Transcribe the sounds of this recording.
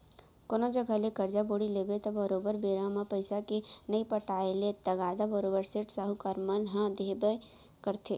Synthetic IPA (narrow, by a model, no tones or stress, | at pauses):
konõd͡ʒəɡʱalekɐɾd͡ʒaboːɽileːbet̪ɐbəɾoːbəɾbeːɾãmãpəɪsakenəipəʈaːelet̪ɐɡaːd̪abəɾoːbəɾsɪʈsaɦukaɾmənɦə̃d̪ʱeːbə | kəɾt̪ʰe